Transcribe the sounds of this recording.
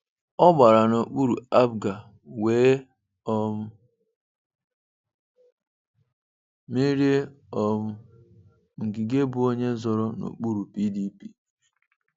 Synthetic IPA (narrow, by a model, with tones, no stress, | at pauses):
ɔ˦ɡ͡ba˨ɾa˨no˨k͡pu˦ɾṵ˨a˦bɡa˨ | weː˦ | ɔ˦m̩˦ | me˦ɾe˦ | ɔ˨m̩˦ | ŋ̩˨ɡi˨ɡe˦bʊ˨˦o˦ɲe˦zɔ˦ɾɔ˦no̰˨k͡pu˦ɾu˨pi˦di˦pi˦